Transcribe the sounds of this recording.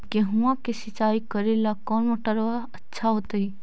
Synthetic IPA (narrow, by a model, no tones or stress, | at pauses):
keɦʊʋãkesɪt͡ʃaːikəɾelakɔːnmɐʈəɾʋaɐtːʃʰaɦoːt̪əi